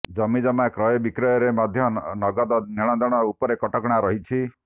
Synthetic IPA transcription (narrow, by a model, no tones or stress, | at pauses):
d͡ʒɔmid͡ʒɔmakɾɔjɔbikɾɔjɔɾemad̪ʱjɔnɔɡɔd̪ɔniɽ̃ɔ̃nd̪ɔɽ̃ɔupɔɾekɔʈɔkɽ̃aɾɔɦit͡ʃʰi